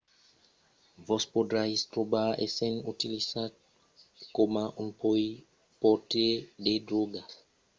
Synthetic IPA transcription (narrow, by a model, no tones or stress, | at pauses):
vɔspod̪ɾajst̪ɾobaɾḛsẽnut̪ilisad̪ | komaʔũpoi | pot̪ed̪ed̪ɾɔɡas